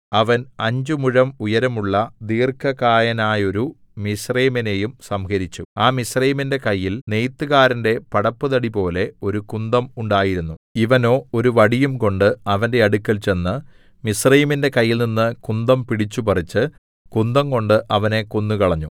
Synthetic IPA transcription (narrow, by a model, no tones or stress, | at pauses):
ɐʋɐnɐɲd͡ʑumuɻɐmujɐɾɐmuɭːɐd̪iːrkʰɐkaːjɐnaːjo̞ɾu | misrɐjmine̞jumsɐmkɐɾit͡ɕːuaːmisrɐjiminde̞kɐjːilne̞jt̪ːuɣaːɾɐnde̞pɐɽɐpːɨðɐɽipo̞ːle̞o̞ɾukund̪ɐmuɳɖaːjiɾunːuiʋɐno̞ːo̞ɾuʋɐɽijumko̞ɳɖɨɐʋɐnde̞ɐɽukːɐlt͡ɕe̞nːɨ | misrɐjiminde̞kɐjːilninːɨkund̪ɐmpiɽit͡ɕːupɐrit͡ɕːɨ | kund̪ɐmko̞ɳɖɨʔɐʋɐne̞kunːukɐɭɐɲːu